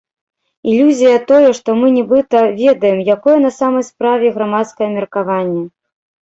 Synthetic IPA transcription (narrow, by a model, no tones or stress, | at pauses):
ilʲːuzʲijɐt̪ɔjɛʂt̪ɔmɨnʲɛbɨt̪ɐvʲɛd̪ɐjɛmjakɔjɐnɐsamɐjspɾavʲɛɣɾamat̪skɐjɐmʲɛrkavanʲːɛ